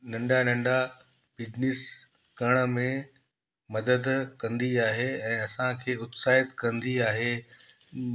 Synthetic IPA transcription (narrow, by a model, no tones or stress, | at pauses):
nɐ̃ɳɖanɐ̃ɳɖa | bɪd͡ʑnɪs | ɡɐɽ̃ə̆mẽ | mɐd̪əd̪kɐ̃nd̪iaːɦeɛ̃ːɐsãkʰeːʊt̪saːɪt̪kɐ̃nd̪iaːɦeː